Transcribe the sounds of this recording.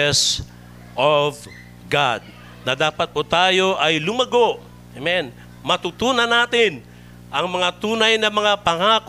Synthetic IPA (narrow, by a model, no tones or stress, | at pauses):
s | ʔov | ɡad̪̚ | nɐd̪aːpɐt̪̚pʊt̪aːjo̞ʔɐjlʊmɐɡoʔ | ɐmɛn | mɐt̪ut̪uːnɐnaːt̪ɪn | ʔɐŋmɐŋat̪uːnɐjnɐmɐŋapɐŋaːk